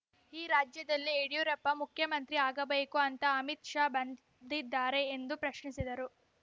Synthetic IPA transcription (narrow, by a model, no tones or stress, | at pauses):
iːɾaːd͡ʒjɐd̪ɐlːieɽijuɾɐpːɐmukʰjɐmɐnt̪ɾiaːɡɐbeːkuɐnt̪ɐɐmit̪ʂaːbɐn | d̪id̪ːaːɾe̞ːnd̪upɾɐʃɳisid̪ɐɾu